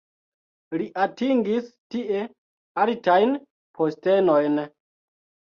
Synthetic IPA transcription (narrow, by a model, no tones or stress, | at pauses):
liʔatiŋɡistiʔe̞ | altajn | pʰoste̞no̞jn